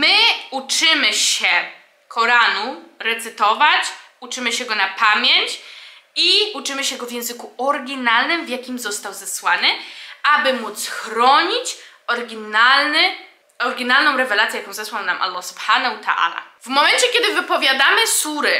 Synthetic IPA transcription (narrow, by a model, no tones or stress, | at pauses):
mɘut͡ʂɘmɘɕɛ | kʰɔɾanuɾɛt̪sɘt̪ɔvat͡ɕ | ut͡ʂɘmɘɕɛɡɔnapamʲjeɲt͡ɕiut͡ʂɘmɘɕɛɡɔvʲjɛ̃w̃zɘkuɔɾɡʲinalnɘmvʲjakʲimzɔst̪awzɛswanɘabɘmut̪sxɾɔɲit͡ɕ | ɔɾɡʲinalnɘ | ɔɾɡʲinalnɔ̃w̃ɾɛvɛlat̪sʲjɛjakɔ̃w̃zɛswawnamʔa̰lːɔsu̥bhanahut̪ʰaʔa̰la̰vmɔmɛnt͡ɕɛkʲjɛd̪ɘvɘpɔvʲjad̪amɘsuɾɘ